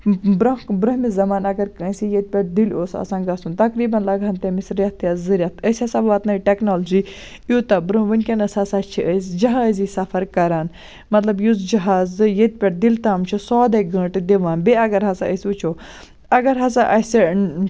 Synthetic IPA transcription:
bɾɐɦbɾɐɦmizɐmaːnɐɡɐɾkə̃ːsijet̪̚ʲpʲeʈ̚d̪iloːsɐ̰sãːnɡɐsunt̪ɐkɾiːbɐnlɐɡɐnt̪emisɾɐt̪ʰjɐzɨɾʲɐt̪ʰəsʲɐsɐbʋaːt̪nɐiʈeknoːld͡ʒi | jut̪ɐbɾɐɦʋɐnʲkʲɐnɐsasat͡ʃʰiʔəzd͡ʒɐɦaːzisɐfɐɾkɐɾaːn | mɐt̪lɐbjuzd͡ʒɐɦaːzɨjet̪̚ʲpʲeʈ̚d̪ilt̪aːmt͡ʃʰusɔːd̪ɐɡɐ̃ːʈd̪iʋaːnbeɐɡɐɾɦɐsaəsʲut͡ʃʰoː | ɐɡɐɾɦɐzaʔɐsi

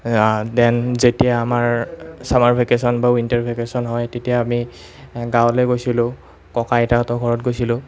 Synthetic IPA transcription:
dɛnzetijaːmaɹsamaɹpʰikesɔnbaintaɹpʰikesɔnɦɔjtetijaːmi | ɡãwlojɡojsilʊ̃ | kɔkajtatɔɡʱɔɹɔt̚ɡojsilʊ̃

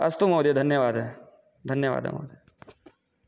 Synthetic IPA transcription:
ɐ̰st̪umoːd̪ed̪ʱɐnjəʋaːd̪ɦɛ | d̪ʱɐnjəʋa̰ːd̪ə̰mo̰ːd̪e

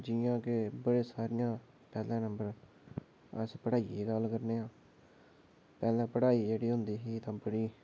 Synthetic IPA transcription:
d͡ʒɪjãːkebəɽeːsaːɾɪːjãː | pɛːlɛ̃ːnəmbəɾ | əspəɽaːiːeːɡəlkəɾneːãː | pɛːlɛ̃ːpəɽaːiːd͡ʒeːɽiːɦʊnd̪iːɦiːt̪ãːbəɽiː

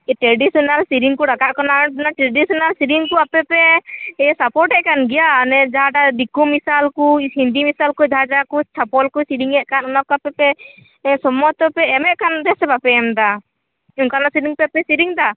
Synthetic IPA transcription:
ʈɾeɖisɔnalsiɾiŋkuɽakaʔkɔnanaʈɾeɖisɔnalsiɾiŋkɔapɛpɛɛasapɔɾʈɛʔ̚kanɡɛjanɛd͡ʒaɦaɖad̪ikumisalkuhind̪imisalkud͡ʒaad͡ʒakut͡ʃʰapɔlkusiɾiŋɛʔkanunakapɛpɛ | sɔmɔt̪ɔpɛɛmɛʔkand̪ɛsɛbapɛːmd̪a | uŋkanasiɾiŋpɛapɛsiɾiŋd̪a

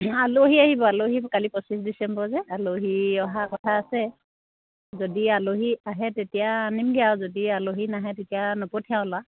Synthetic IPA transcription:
aloɦiaɦibɔaloɦikalipɔsisdisɛmbɔzɛaloɦiɔɦakɔtʰaːsɛ | zodialoɦiaɦɛtetijaːnimɡɛjawzodialoɦinaɦɛtetijanɔpɔtʰijãwla

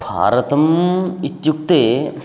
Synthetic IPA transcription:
bʱa̰ːɾɐt̪ɐmit̪jukt̪eː

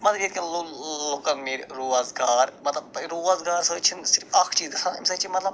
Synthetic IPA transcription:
mɐzɾiːt̪̚kʲɐnloloːkɐnmiːɾʲɾoːʋazɡaːɾmɐt̪lɐbt̪ɐɾoːazɡaːɾsəːt͡ʃʰinsɪɾfɐkʰt͡ʃiːzd̪ɐsʰɐnḭmsɐt͡ʃʰimɐt̪lɐb

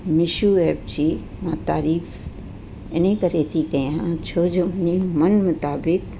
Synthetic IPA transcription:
mɪʃueːb̚t͡ʃimãt̪aːɾiːf | enẽkəɾeːt̪ikə̃jaãt͡ʃʰoːd͡ʒonimɐnmʊt̪aːbɪk̚

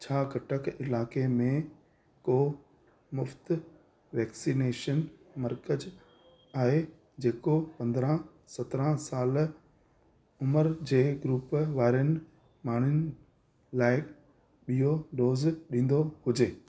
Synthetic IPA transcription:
t͡ɕʰaːɡʱɐʈəkʰɪlaːkemẽ | koː | mʊft̪ | ʋɛːksineːʃənmɐɾkəd͡ʑ | aːɦe | d͡ʑeːkopɐ̃nd̪ɾã | sɐt̪ɾə̃saːl | ʊməɾd͡ʑeːɡɾuːpʋaːɾiənɪ̆ | maːɳ̤̃ʊnɪ | laːɪkʰ | ɓijoɖoːzɗĩːn̆d̪ohʊd͡ʑeː

